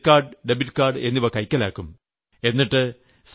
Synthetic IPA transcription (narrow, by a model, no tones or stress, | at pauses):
kːaːrɖɨɖebiʈːkaːrɖɨe̞nːiʋɐkɐjkʲːɐlaːkːum | e̞nːiʈːɨ | s